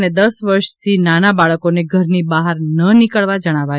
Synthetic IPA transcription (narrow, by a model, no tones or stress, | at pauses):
ned̪əsʋəɾʃt̪ʰinanabaɭəkoneɡʱəɾnibaɦəɾnənikəɭʋad͡ʒəɽ̃aʋa